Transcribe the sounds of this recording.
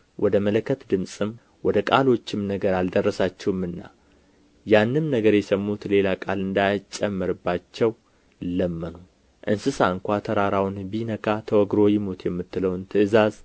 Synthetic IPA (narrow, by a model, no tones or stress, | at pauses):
wʔɔd̪əmələkʰːət̪d̪ɨmsʼɨm | wɔd̪əkʼalo̞t͡ʃːɪmnəɡəɾald̪ərːəsat͡ʃːɛwɨmːɨnːa̰ | janːɨmnəɡəɾjɛsəmːut̪le̞lakʼalɨnd̪ajt͡ʃʼːɛmːɨɾɨbːat͡ʃːɛw | ləmːənu | ʔɨnsɨsaɨŋkʷat̪ʰəɾaɾawnbinəkʰat̪ʰəwɔɡɾo̞jɪmot̪jɛmːɨt̪ːɨləwnt̪ʰɨʔɨzaz